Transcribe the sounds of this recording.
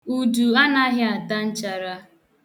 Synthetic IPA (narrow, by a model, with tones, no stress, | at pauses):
u˨du˨a˦na˦ɦɪ˦a˨ta˦n̩˦t͡ʃa˦ɾa˦